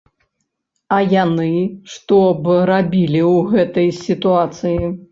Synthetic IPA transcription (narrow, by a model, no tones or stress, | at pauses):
ɐjanɨʂt̪ɔbɾabʲilʲiwɣɛt̪ɐjsʲit̪uat̪sɨji